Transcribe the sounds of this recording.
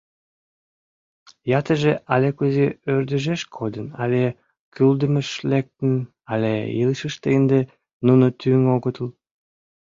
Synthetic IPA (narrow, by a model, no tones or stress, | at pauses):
jɑt̪əʒeʔɑlekuzeørd̪əʒeʃkʰod̪ənɑ̰le | kʰyld̪əmə̆ʃlek̚t̪ə̆n | ɑlʲḛjilʃəʃt̪end̪e | nunot̪yŋoɣət̪əl